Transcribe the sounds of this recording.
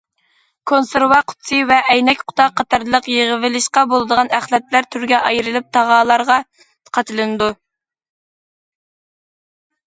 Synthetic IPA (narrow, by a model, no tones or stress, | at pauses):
kʰonseɾwɑqʰʊ̥t̪sɨvɛʔɛjnɛkʲqʰʊ̥t̪ʰɑqʰːɑt̪ʰɑɾlˠəqjeʁəvɪlɪʃqɑbolˠɨd̪əʁɑnæχlɛt̪læɾt̪ʰyɾɡʲɛʔɑjɾɨlˠɨp̚t̪ʰɑʁɑːlˠɑɾʁɑ | qʰɑt̪ʰɨlˠɨnɨd̪u